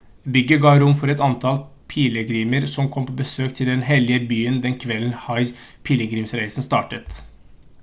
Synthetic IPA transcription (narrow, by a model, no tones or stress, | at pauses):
bʏɡəɡɑːɾʊmːfɔɾɛt̪ɑnt̪ʰɑlpʰiːləɡɾiːməɾsɔmkʰɔmpʰoːbəsøːkt̪ʰɪld̪ɛnɦɛlɪəbyːənd̪ɛnkʰʋɛln̩hɑɪ | pʰiːləɡɾiːmsɾæɪsn̩st̪ɑːʈət̪